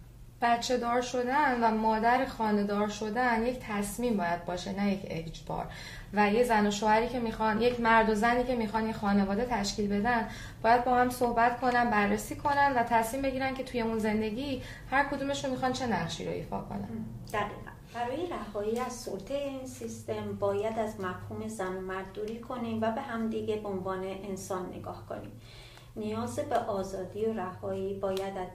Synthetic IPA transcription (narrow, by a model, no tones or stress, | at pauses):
b̥ætt͡ʃʰːe̞d̪ɒːɾʃo̞d̪ænvæmɒːd̪æɾexɒːne̞d̪ɒːɾʃo̞d̪ænje̞cʰt̪ʰæsmiːmbɒːjæd̪̚bɒːʃe̞næje̞cʰe̞̰d͡ʒb̥ɒ̰ːɾ | væjezænoʃoːæɾiːcʰe̞mixɒnje̞cʰmæɾd̪ozæniːcʰe̞mixɒnjexɒːne̞vɒːd̪e̞t̪ʰæʃciːlbe̞d̪æn | b̥ɒːjæd̪̚bɒːhæmso̞hbæt̪kʰo̞nænbærːesiːkʰo̞nænd̪væt̪ʰæsmiːmbeɟiːɾænkcʰe̞t̪ʰuje̞unze̞nd̪e̞ɟi | hæɾkʰod̪uːme̞ʃunmixɒnt͡ʃʰe̞næʁʃḭːɾoḭːfɒ̰ːkʰo̞̰næ̰nd̪̥æʁḭːʁæ̰nb̥æɾɒːjeɾæɦɒːiːæzso̰lt̪ʰejeiːnsist̪e̞mbɒːjæd̪æzmæfhuːme̞zænomæɾd̪uːɾiːkʰo̞nimvæbe̞ɦæmd̪iɡe̞beonvɒːneʔensɒːnːḛɡɒːhkʰo̞̰nḭm | nijɒːzebe̞ʔɒːzɒːd̪iːoɾæhɒːibɒːjæd̪æ